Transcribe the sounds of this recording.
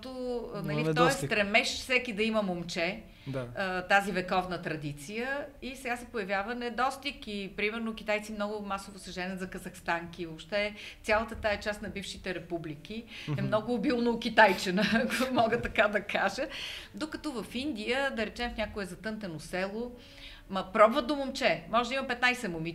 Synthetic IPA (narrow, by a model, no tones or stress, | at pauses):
t̪onɐlit̪ɔɛst̪ɾɛmɛʃfsɛkid̪ɐiməmomt͡ʃɛ | d̪t̪azivɛkɔvnət̪ɾɐd̪it̪sijəisɛɡasɛpojɐvʲjavənɛd̪ɔst̪ikipɾimɛɾnokʲit̪ajt̪simnɔɡʊmasovosɐʒɛnʲiət̪zɐkɐzɐxst̪aŋkivopʃt̪ɛt̪sʲalˠət̪ət̪aɛt͡ʃast̪nɐbifʃit̪ɛɾɛpublikiɛmnɔɡʊːbilˠnoːkʲit̪ajt͡ʃɛnəkmɔɡət̪ːɐkad̪ɐkaʒəd̪okɐt̪ɔvəfind̪ijəd̪ɐɾɛt͡ʃɛmfnʲakoɛzɐt̪ɤnt̪ɛnosɛlˠo | mɐpɾɔbvət̪d̪omomt͡ʃɛmɔʒɛd̪əimɐmpɛt̪najsɛmomi